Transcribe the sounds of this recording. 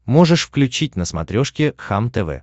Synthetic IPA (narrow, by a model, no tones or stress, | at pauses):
moʐɨʂfklʲʉt͡ɕitʲnəsmɐ̰t̪ɾʲo̞ʂkʲɪxamt̪ɛvɛ̰